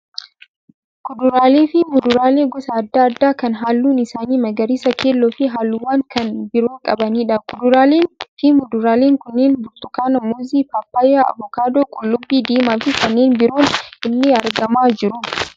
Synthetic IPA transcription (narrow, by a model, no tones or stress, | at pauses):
kʊd̪ʊɾaːleːfɪmʊd̪ʊɾaːle̞ːɡɔsɐːd̪ːaːɐd̪ːaːkɐnɦaːlːuːnɪsaːniːmɐɡɐɾisɐkʰeːlːoːfɪɦaːlːʊwaːŋkɐnbɪɾoːŋkʼɐbɐniːᶑɐkʊd̪ʊɾaːleːnfɪmʊd̪ʊɾaːleːŋkʊnːeːnbʊɾt̪ʊkaːnɐmoːziːpaːpːaːjaːɐ̰bɔkaːd̪oːkʼʊlːʊbːiːd̪iːmaːfɪkɐnːeːnbɪɾo̞ːnɪnːɪɐɾɡɐmaːd͡ʒɪɾʊ